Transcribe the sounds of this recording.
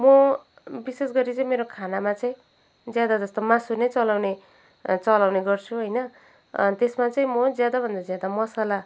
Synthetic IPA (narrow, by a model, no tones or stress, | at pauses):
mʌ | bisesɡʌɾit͡saĩmeɾokʰanamat͡saĩ | d͡zjad̪ad͡zʌst̪omasunet͡sʌlawne | t͡sʌlawneɡʌrt͡sʰuɦʌjnʌ | t̪esmat͡saĩmʌd͡zjad̪abʱʌnd̪ad͡zjad̪amʌsala